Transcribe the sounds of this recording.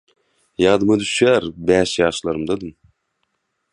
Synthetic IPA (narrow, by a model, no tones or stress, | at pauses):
jɑːd̪ɨmɯd̪yʃjæɾbæːʃjɑːʃlˠɑɾɯmd̪ɑd̪ɯm